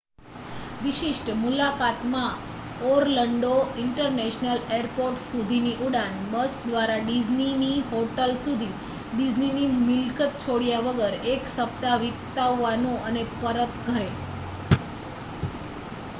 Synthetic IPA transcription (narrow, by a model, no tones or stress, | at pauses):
ʋɪʃɪʃʈmulakat̪mã | oɾləɳɖoɪɳʈəɾnɛʃnəleɾpoɾʈsud̪ʱiniʔuɽanbəsd̪ʋaɾaɖid͡ʒniniɦoʈəlsud̪ʱi | ɖid͡ʒninimɪlkət̪̚t͡ʃʰoɽjaʋəɡəɾeksəpt̪aʋit̪aʋːanõʔənepəɾət̪ɡʱəɾe